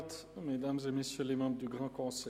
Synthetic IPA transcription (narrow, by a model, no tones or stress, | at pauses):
t̪ | med̪amzemesjølemɑ̃bʁd̪yɡʁɑ̃kɔ̃sɛ